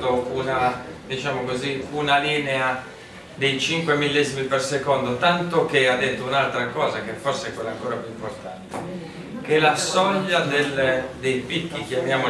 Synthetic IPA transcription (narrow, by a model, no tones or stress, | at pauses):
d̪ounad̪it͡ʃaːmokoziunaliːnɛa | d̪ejt͡ʃiŋkwemilːeːzimipersekɔnd̪ot̪ant̪okead̪ːet̪ːounalt̪ɾakɔːzakefːɔɾseɛkːwɛlːaŋkɔːzapjuimpoɾt̪ant̪e | kelasɔʎːad̪eld̪ejpikːikjamjaːmo